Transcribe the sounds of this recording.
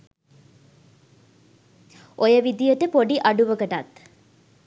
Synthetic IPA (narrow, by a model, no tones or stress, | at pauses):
ojəʋid̪ijəʈəpoɖiʔɐɖuʋəɡəʈa̰t̪